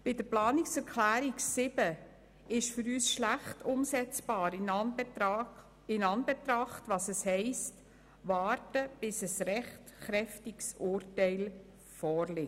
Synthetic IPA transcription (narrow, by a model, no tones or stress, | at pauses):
b̥ɪdəplɑːnɪksɛɾkʰlæːɾiksɪb̥ə | ɪʃfʏɾyːsʃlæχtʰʊmsɛt͡sb̥ɑːɾ | ɪnɑnbɛtɾɑχtʋɑsɛshɛɪst | ʋɑːɾtəb̥ɪsɛsɾɛχtχɾɛftiksʊːrtɛɪl | fɔːɾlɪ